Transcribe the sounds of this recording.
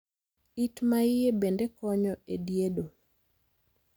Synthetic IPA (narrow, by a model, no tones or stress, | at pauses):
itmaɪjebendekɔɲɔedjedo